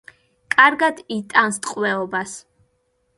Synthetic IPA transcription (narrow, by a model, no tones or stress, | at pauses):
kʼaɾɡad̪it̪ʼanst̪ʼqʼwɛɔbas